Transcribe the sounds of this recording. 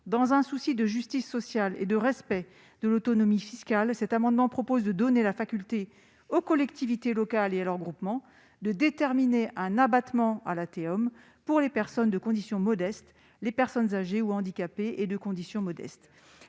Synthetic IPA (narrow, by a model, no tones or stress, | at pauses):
d̪ɑ̃zɛ̃susid̪əʒyst̪isːɔsjalḛd̪əʁɛspɛ | d̪̥əlot̪ɔnɔmifiskalsɛt̪amɑ̃d̪mɑ̃pχɔpozd̪əd̪ɔnelafakʲylt̪e | okɔlɛkt̪ivit̪elɔkalealɔʁɡʁupmɑ̃ | d̪əd̪et̪ɛʁmineʔɛ̃nabat̪mɑ̃a̰lat̪eɔm | puʁlepɛʁsɔnd̪əkɔ̃d̪isjɔ̃mɔd̪ɛst̪ | lepɛʁsɔnzaʒeuɑ̃d̪ikʲapeʔed̪əkɔ̃d̪isjɔ̃mɔd̪ɛ̰st̪